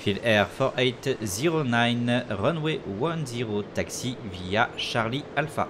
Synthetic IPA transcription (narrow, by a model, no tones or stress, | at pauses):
filɛʁfɔʁʔɛt̪ziʁonajnʁɔnwewãnziʁot̪aksivijaʃaʁlialfa̰